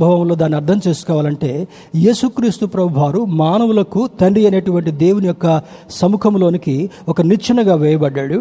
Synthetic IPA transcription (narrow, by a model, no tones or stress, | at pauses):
bʱɐʋɐmlo̞ːd̪aːniɐɾt̪ʰɐmt͡ʃe̞ːsu̥kɔːʋaːlɐɳʈe̞ː | je̞ːsukɾiːst̪upɾɐbbʱaːɾumaːnɐʋulɐkut̪ɐɳɖiɐne̞ːʈuʋɐɳʈid̪e̞ːwunijɔkːɐ | sɐmukʰɐmlo̞ːniki | ɔkɐnit͡ʃʰɐnɐɡaːʋɛːjɐbɐɖːaːɽu